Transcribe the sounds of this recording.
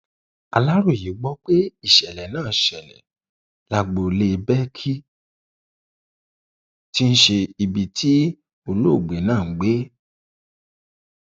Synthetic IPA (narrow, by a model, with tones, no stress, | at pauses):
a̰˨la˦ɾo˦˨ji˨˦ɡ͡bɔ˦k͡pe˦i˦˨ʃɛ˨lɛ˨nãː˦˨ʃɛ˨nɛ̰̃˨ | la˧ɡ͡bo˨le˧bɛ˦kʰi˦ | ti˦n̩˦ʃe˧i˧bi˨tʰi˨˦ | o˧lo˦˨ɡ͡be˨˦nãː˦˨˦ɡ͡be˨˦